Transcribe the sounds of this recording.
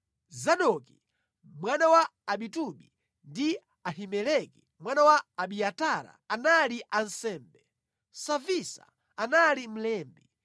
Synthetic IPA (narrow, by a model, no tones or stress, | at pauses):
zaɗɔki | mwanawaːɓituɓi | ndi | ahimɛlɛki | mwanawaːɓiataɾa̰ːnaliʔansɛːmbɛ | savisa̰ | analim̩lɛːmbi